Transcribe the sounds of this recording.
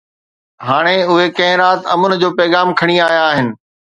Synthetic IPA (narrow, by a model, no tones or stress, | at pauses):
ɦaːɽ̃eʊɦekɐ̃ɦɪ̃ɾaːt̪ɐmʊnɪ̆d͡ʑoːpɛːɣaːmkʰɐɽ̃iaːjaːɦɪnɪ̆